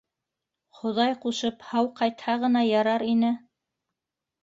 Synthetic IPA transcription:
χŏðɑjquʃɤphɑwqɑjt̪hɑʁɤ̆nɑjɑɾɑɾinɘ

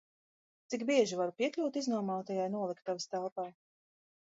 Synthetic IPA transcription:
t̪siɡbiɛʒivaɾupiɛklʲuwt̪iznuɔmawt̪ajajnuɔlˠikt̪ːavast̪alˠpaː

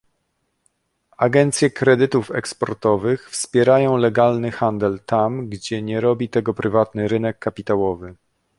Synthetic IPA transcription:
aɡɛnt̪sʲjɛkɾɛd̪ɘt̪ufɛ̰kspɔ̰ɾt̪ɔvɘxfspʲjɛɾajɔ̃w̃lɛɡalnɘxand̪ɛlt̪amɡd͡ʑɛɲɛɾɔbʲit̪ɛɡɔpɾɘvat̪nɘɾɘnɛkːapʲit̪awɔvɘ

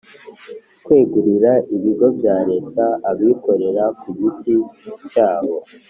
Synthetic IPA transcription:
kwe̞ːɡuɾiɾaʔiβiɡo̞bjaːɾe̞ːtaaβiːko̞ɾe̞ɾakuɡitit͡ʃaːho̞

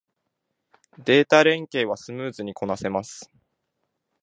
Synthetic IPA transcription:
d̪e̞ːt̪aɾẽ̞ŋke̞ːβasɨmɯ̟ːzɨɲ̟ikʰo̞nase̞masɨ̥

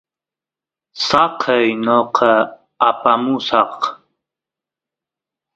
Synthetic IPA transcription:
sɑqʰəjnoqʰɑ | apamusɑq

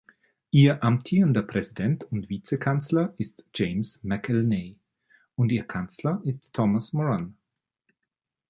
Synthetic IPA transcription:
ʔiːɐʔamtʰiːʁəndɐpʁ̥ɛzidɛntʰʊntv̥iːt͡sekʰant͡slɐʔɪstd͡ʒ̥eɪmsmɛkʰɛlneː | ʊntiːɐkʰant͡slɐʔɪstʰːɔmasmɔʁan

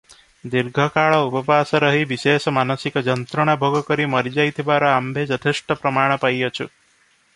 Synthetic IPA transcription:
d̪iɾɡʱɔkaɭɔupɔpasɔɾɔɦibisesɔmanɔsikɔd͡ʒɔnt̪ɾɔɽ̃abʱoɡɔkɔɾimɔɾid͡ʒajt̪ʰibaɾɔambʱed͡ʒɔt̪ʰesʈɔpɾɔmaɽ̃ɔpajɔt͡ʃʰu

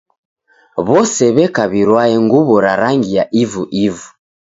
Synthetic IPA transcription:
βɔsɛβɛkaβiɾwaɛŋɡuβɔɾaɾaŋɡijaʔivuʔivu

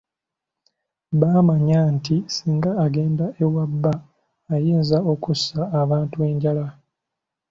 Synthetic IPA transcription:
βaːmaɲantisiːŋɡaːɡe̞ːndaʔe̞wabːaː | jeːnzao̞kusaːβaːntue̞ɲɟala

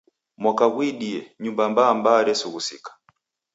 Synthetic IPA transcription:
mwakaɡwiɗijɛɲumbambaːmbaɾɛsuɣusikḁ

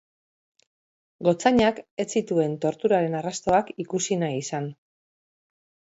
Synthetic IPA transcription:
ɡo̞t͡saɲake̞t͡sit̪ue̞nt̪o̞ɾt̪uɾaɾe̞narast̪o̞akikusinajisan

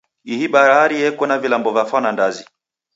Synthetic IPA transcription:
iɦiɓaɾaɾiɛkwɛnavilambɔvjafanandazi

